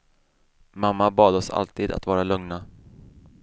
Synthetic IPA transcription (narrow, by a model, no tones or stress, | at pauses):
mamːabɑːd̪ɔsa̰lt̪iːd̪a̰t̪vɑːɾalɵŋna